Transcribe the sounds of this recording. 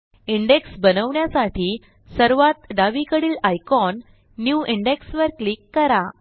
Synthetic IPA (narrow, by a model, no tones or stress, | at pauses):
iɳɖeksbənəʋɳjasaʈiː | səɾʋat̪d̪aʋikəɽiːlajkɔnː | juʔiɳɖeksʋəɾklikːəɾa